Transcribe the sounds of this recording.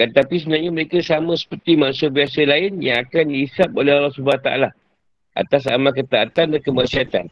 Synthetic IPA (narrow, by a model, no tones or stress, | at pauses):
ant̪apis̬əbənaɲaməɾekasamə̃sə̥pərt̪imãnsəbiasəlaɪnjãŋakandiːsapolɛɦalɔsubat̪aʔa̰la | ʔa̰t̪as̬a̰makət̪aːt̪andankəmərsiat̪an